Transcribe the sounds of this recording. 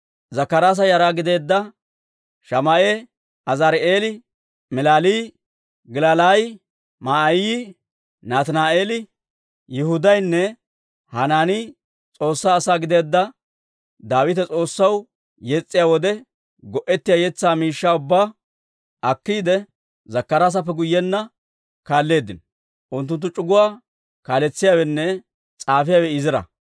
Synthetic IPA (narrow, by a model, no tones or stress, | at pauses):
zɐkːɐɾaːs̬ɐjɐɾaːɡɪd̪e̞ːd̪ːɐ | ʃɐmɐʔe | ɐzɐɾʔeːlɪ | mɛlaːliː | ɡɪlalaj | maːji | naːt̪ɐnaːeːlɪ | jɪhʊd̪ɐjnːɛ | hɐnaːnɪ | t͡sʼo̞ːsːaːsaːɡɪd̪e̞ːd̪ːɐ | d̪aːwɪt̪ɛt͡sʼo̞ːsːɐw | jɛt͡sʼːɪjaːwɔd̪ɛ | ɡɔʔɛt̪ːɪjaːjɛt͡sːaːmiːʃːaːʊbːaː | ɐkːiːd̪ɛ | zɐkːɐɾaːs̬ɐp̬ːɛɡʊjːɛnːɐ | kaːlːe̞ːd̪ːɪn | ʔʊnt̪ːʊnt̪ːʊt͡ʃʼʊɡʊwaː | kaːlɛt͡sːɪjaːwɛnːɛ | t͡sʼaːfɪjaːwɛɪzɪɾɐ̰